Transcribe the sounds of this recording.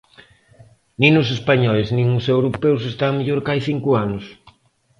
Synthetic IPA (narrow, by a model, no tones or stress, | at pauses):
nĩnʊs̬espaɲɔeznĩŋʊsewɾopews̬est̪ameʎoɾkajθiŋkʊanʊs